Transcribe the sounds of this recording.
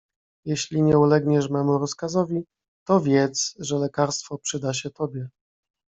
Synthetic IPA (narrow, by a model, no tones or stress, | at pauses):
jɛɕlʲiɲɛulɛɡɲɛʂmɛmuɾɔskazɔvʲi | t̪ɔvʲjɛt̪sʐɛlɛkaɾst̪fɔpʂɘd̪aɕɛt̪ɔbʲjɛ